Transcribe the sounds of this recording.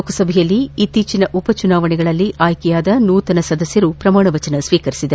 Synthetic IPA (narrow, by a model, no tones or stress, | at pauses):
okɐsɐbʱɛjɐlːiːt̪ːiːt͡ʃinɐʔupɐt͡ʃunaːʋɐɳɛɡɐɭɐlːiʔaːjkɛjaːd̪ɐnuːt̪ɐnɐsɐd̪ɐsjɐɾupɾɐmaːɳɐʋɐt͡ʃɐnɐsʋiːkɐɾisid̪e